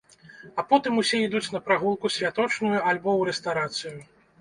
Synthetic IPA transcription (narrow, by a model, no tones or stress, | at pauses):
apɔt̪ɨmusʲɛid̪ut͡sʲn̪ɐpɾaɣulˠkusʲvʲat̪ɔt͡ʂnujualʲbɔwɾɛst̪awɾat̪sɨju